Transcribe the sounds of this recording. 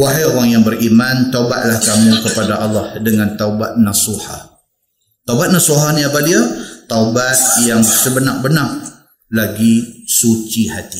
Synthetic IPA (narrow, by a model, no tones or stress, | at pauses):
waɦajoɾaŋjaŋbəɾimant̪auba̰ʔ̪̚lahkamũkəpadaʔɑlːɑhdəŋãnt̪aubat̪̚nasuha̰ | t̪awbat̪̚nasuɦaniapadiawt̪awbat̪̚jaŋsəbənaʔ̚bənak̚ | laɡisut͡ʃihat̪i